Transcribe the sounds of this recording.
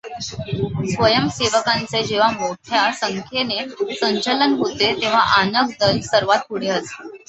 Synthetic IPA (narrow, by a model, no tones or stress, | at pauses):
sʋəjəmseʋəkãnt͡sed͡ʑeʋ̤amoʈʰjasəŋkʰjenesəɲt͡ɕələnɦot̪et̪eʋ̤aʔanək̚d̪əlsəɾʋat̪̚uɽ̤eɦət̪e̥